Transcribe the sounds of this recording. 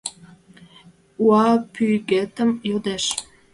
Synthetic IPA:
uɑpyɣet̪əmjod̪eʃ

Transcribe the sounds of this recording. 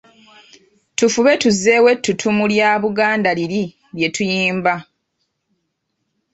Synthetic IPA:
tufuβe̞tuze̞we̞tːutʰumuljaːβuɡaːndaliɾi | lje̞tujiːmba

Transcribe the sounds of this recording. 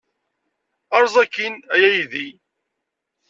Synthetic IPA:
ɑɾˤzˤækːinæjæjði

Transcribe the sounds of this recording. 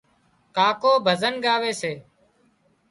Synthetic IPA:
kaːkoːbʱəzənɠaːʋeːseː

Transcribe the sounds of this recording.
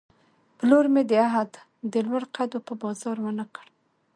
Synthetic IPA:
pəloɾmed̪əaɦad̪ | d̪əlwaɽqad̪opəbɑzɑɾwanəkəɽ

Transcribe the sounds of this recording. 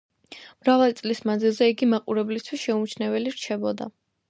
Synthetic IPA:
mɾavalit̪sʼlismanzilˠzɛiɡimaqʼuɾɛblist̪ʰwisʃɛumt͡ʃʰnɛvɛliɾt͡ʃʰɛbɔd̪a̰

